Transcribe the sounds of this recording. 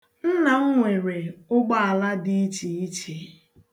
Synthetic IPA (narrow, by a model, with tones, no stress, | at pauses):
n̩˦na˨ŋ̩˦ŋʷe˨ɾe˨ʊ˦ɡ͡ba˦a˨la˦di˦i˦t͡ʃi˨i˦t͡ʃe˨